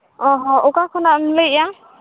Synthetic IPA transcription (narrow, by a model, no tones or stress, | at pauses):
ɔɦɔ̃ukakʰɔnamlɯjjaŋ